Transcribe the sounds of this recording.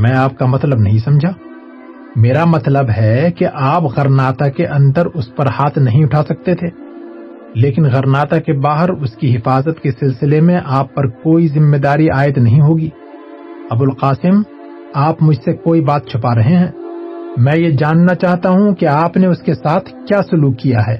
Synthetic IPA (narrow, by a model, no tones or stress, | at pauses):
mɛ̃ːaːp̚kamɐt̪ləbnɐɦĩsɐ̃md͡ʒʱaː | meːɾamɐt̪ləbɦɛkeʔaːpɣɐɾnaːt̪akeʔɐ̃nd̪əɾʊspɐɾhaːt̪ʰnɐɦĩʊʈʰaːsɐk̚t̪et̪ʰeː | leːkɪnɣɐɾnaːt̪akebaːɦəɾʊskiɦɪfaːzət̪kesɪlsɪlemẽʔaːpːɐɾkoːizɪmːeːd̪aːɾiʔaːɪd̪nɐɦĩɦoːɡiː | ɐbʊlqaːsɪm | aːpmʊd͡ʒʱsekoːibaːt̪̚t͡ʃʰʊpaɾɐɦeɦɛ̃ːmɛ̃ːjed͡ʒaːnːat͡ʃaːɦt̪aɦũkeaːpneʊskesaːt̪ʰkjaːsʊluːkːijaɦɛː